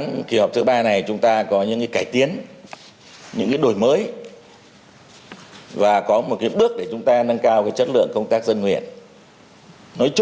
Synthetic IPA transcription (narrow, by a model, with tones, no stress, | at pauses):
nki˧˩hɔ˨˩p̚t̪ʰɨ˨˦ɓaː˧na˨˩jt͡ɕʊ˨˦ŋ͡mt̪aː˧kɔ˨˦ɲɨ̰˧˥ŋkaː˨˦kaː˧˩jt̪i˨˦ən | ɲɨ̰˧˥ŋkaː˨˦jɗo˨˩jməː˨˦j | vaː˨˩kɔ˨˦mo˨˩t̚kaː˨˦jɓɨ˦˥ək̚ɗe˧˩t͡ɕʊ˨˦ŋ͡mt̪aː˧nə˧ŋkaː˧wkaː˨˦jt͡ɕə˦˥t̚lɨ̰˧˨əŋkə˧wŋ͡mt̪aː˦˥k̚zə˧nŋwḭ˧˨ən | nɔ˨˦jt͡ɕ